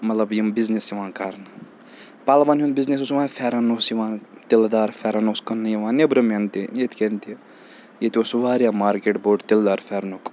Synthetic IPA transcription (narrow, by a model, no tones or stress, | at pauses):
mɐt̪lɐbjimbiznesjiʋãːnkaɾnɨ | palbaːnɦunbiznesosʋaːfʰɛɾanosjiʋãːnt̪eld̪aːɾfʰɛɾanoskɐnːɨjiʋãːnebɾɐment̪inet̪ʰkent̪i | jet̪iosuʋaːɾjamaːɾkeʈboɖt̪eld̪aːɾfʰʲɛɾnuk